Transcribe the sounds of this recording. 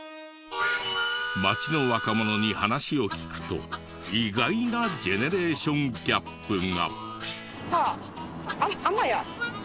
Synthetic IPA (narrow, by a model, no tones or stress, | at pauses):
mat͡ɕino̞βakamo̞no̞ɲ̟ihanaɕio̞kʲi̥kɯ̟̥t̪o̞̰ | iɡainad͡ʑe̞ne̞ɾe̞ːɕõ̞ŋɡʲapːɯ̟ŋa̰ | k | ha | amaja